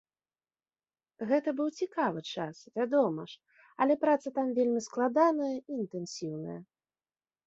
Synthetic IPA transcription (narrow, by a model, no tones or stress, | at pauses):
ɣɛt̪ɐbɨwt͡sʲikavɨt͡ʂasvʲad̪ɔmɐ̰ʂ | ɐ̰lʲɛpɾat̪sɐt̪amvʲelʲmʲisklˠad̪anɐjɐiːnt̪ɛnsʲiwnɐ̰jɐ̰